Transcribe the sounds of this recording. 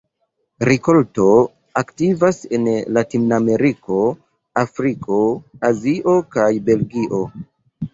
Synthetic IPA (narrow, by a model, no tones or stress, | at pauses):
ɾiko̞lto̞ | aktivasenlatinname̞ɾiko̞ | afɾikʰo̞aziʔo̞kajbe̞lɡiʔo̞